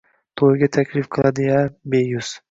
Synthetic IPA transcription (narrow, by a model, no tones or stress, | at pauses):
t̪ʰojɡʲat̪ʰakʲʰlɪfqʰɨlˠad̪ɪjabejʊs